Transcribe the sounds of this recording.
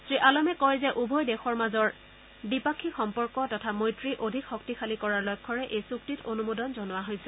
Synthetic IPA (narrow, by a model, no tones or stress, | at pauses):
sɹiʔalɔmɛkɔjzɛʔubʱɔjdɛxɔɹmazɔɹ | bipakʰːixɔmpɔɹkɔtɔtʰamojtɹiʔodʱikxɔktixʰalikɔɹaɹlɔjkʰːɔɹɛʔejsuktitonumodɔnzɔnʊwaɦojsɛ